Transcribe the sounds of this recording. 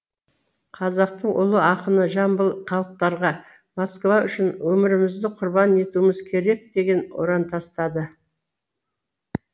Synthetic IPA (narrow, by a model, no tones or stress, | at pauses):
qʰɑzɑq̚t̪əɴʔʊ̰lˠəɑqənəʒɑmbəlˠqʰɑlˠəp̚t̪ɑɾʁɑ | moskvɑʔʏʃɪnwɵmɪɾɪmɪzd̪ɪqʰʊɾbɑne̞t̪uɪmɪzkʲʰe̞ɾe̞k̚d̪e̞ɡʲe̞nwo̰ɾɑnt̪ʰɑst̪ɑd̪ə